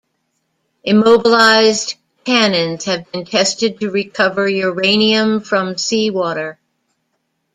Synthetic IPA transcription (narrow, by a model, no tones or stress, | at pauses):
ʔɨmoʊbəlaɪzd | kʰænɨ̃nz̥hɨvb̃ntʰɛstɨd̚tʰɨɹikʰʌvə˞jə˞ẽɪ̃niɨ̃ɱfɹʌ̃msiwɔɾə˞